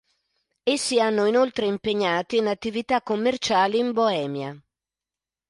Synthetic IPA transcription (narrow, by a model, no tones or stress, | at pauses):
esːianːoinolt̪ɾeimpeɲːaːt̪iːnat̪ːivit̪akːomːert͡ʃaːliːmboɛːmja